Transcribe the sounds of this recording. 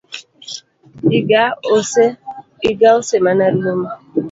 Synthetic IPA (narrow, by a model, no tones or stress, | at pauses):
iɡaose | iɡaosemanaɾiloma